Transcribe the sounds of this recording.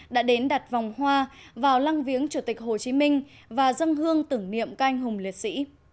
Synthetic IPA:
ɗa̰ː˧˥ɗe˨˦nɗa˨˩t̚va˨˩wŋ͡mhwaː˧vaː˨˩wla˧ŋvi˨˦əŋt͡ɕu˧˩t̪ï˨˩k̚ho˨˩t͡ɕi˨˦mï˧ŋ̟ | vaː˨˩zə˧ŋɦɨ˧əŋt̪ɨ˧˩ŋnḭ˧˨ə˨mka˧ʔa˧jŋ̟ɦʊ˨˩ŋ͡mli˨˩ət̚sḭ˧˥

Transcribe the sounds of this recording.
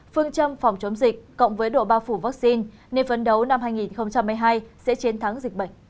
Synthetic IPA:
fɨ˧əŋt͡ɕə˧mfa˨˩wŋ͡mt͡ɕə˨˦ŋ͡mzï˨˩k̚ko̰˧˨ŋ͡mvəː˨˦jɗo̰˧˨ɓaː˧wfu˧˩vaː˦˥k̚si˧n | ne˧nvə˨˦nɗə˨˦wna˧mhɦaː˧jŋi˨˩nxə˧wŋ͡mt͡ɕa˧mːɨ˧jɦaː˧jsɛ̰˧˥t͡ɕi˨˦ənt̪ʰa˨˦ŋzï˨˩k̚ɓə̰˧˨ŋ̟

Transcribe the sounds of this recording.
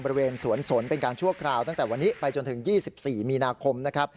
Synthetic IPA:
bɔ˧ɾi˧weː˧nsu˩˦ənso˨˩˦ənpe˧nkaː˧nt͡ɕʰu˥˩ɐkʰɾaː˧wt̪a˥˩ŋt̪ɛː˨˩wa˧nːiː˦˥pa˧jt͡ɕo˧nt̪ʰɯ˩˦ŋjiː˥˩si˨˩p̚siː˨˩miː˧naː˧kʰo˧mna˦˥kʰa˦˥p̚

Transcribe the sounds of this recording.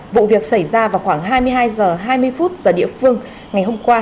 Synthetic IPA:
vṵ˧˨vi˨˩ək̚sa˧˩jzaː˧vaː˨˩wxwaː˧˩ŋɦaː˧jmɨ˧əjɦaː˧jzəː˨˩ɦaː˧jmɨ˧əjfu˦˥t̚zəː˨˩ɗḭ˧˨əfɨ˧əŋ | ŋa˨˩jɦo˧mkwaː˧

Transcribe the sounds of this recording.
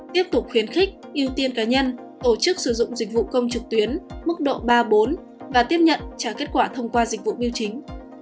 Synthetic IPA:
t̪i˦˥əp̚t̪ʊ˨˩k͡p̚xwi˨˦ənxɪ̈˦˥k̟̚ʔi˧əwt̪i˧ənkaː˨˦ɲə˧n | t̪o˧˩t͡ɕɨ˦˥k̚sɨ˧˩zʊ̰˧˨ŋ͡mzi˨˩k̟̚vṵ˧˨kə˧wŋ͡mt͡ɕɨ˨˩k̚t̪wi˨˦ənmɨ˦˥k̚ɗo̰˧˨ɓaː˧ɓo˨˦n | vaː˨˩t̪i˦˥əp̚ɲə̰˧˨nt͡ɕaː˧˩ke˦˥t̚kwaː˧˩t̪ʰə˧wŋ͡mkwaː˧zï˨˩k̟̚vṵ˧˨ɓi˧əwt͡ɕï˨˦ŋ̟

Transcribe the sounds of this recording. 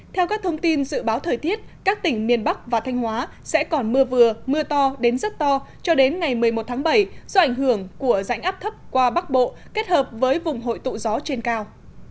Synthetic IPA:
t̪ʰɛ˧wkaː˦˥k̚t̪ʰə˧wŋ͡mt̪i˧nzɨ̰˧˨ɓaː˨˦wt̪ʰəː˨˩jt̪i˦˥ət̚kaː˦˥k̚t̪ï˧˩ŋ̟mi˨˩ənɓa˦˥k̚vaː˨˩t̪ʰa˧jŋ̟hwaː˨˦ | sɛ̰˧˥kɔ˨˩nmɨ˧əvɨ˨˩əmɨ˧ət̪ɔ˧ɗe˨˦nzə˦˥t̚t̪ɔ˧t͡ɕɔ˧ɗe˨˦nŋa˨˩jmɨ˨˩əjmo˨˩t̚t̪ʰaː˨˦ŋɓə˧˩jzɔ˧ʔa˧˩jŋ̟ɦɨ˧˩əŋku˧˩əza̰˧˥jŋʔaː˦˥p̚t̪ʰə˦˥p̚kwaː˧ɓa˦˥k̚ɓo̰˧˨ | ke˦˥t̚həː˨˩p̚vəː˨˦jvʊ˨˩ŋ͡mɦo̰˧˨jt̪ṵ˧˨zɔ˨˦t͡ɕe˧nkaː˧w

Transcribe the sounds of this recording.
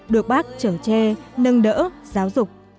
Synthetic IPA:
ɗɨ˨˩ək̚ɓaː˦˥k̚t͡ɕəː˧˩t͡ɕɛ˧nə˧ŋɗə̰ː˧˥zaː˨˦wzʊ˨˩k͡p̚

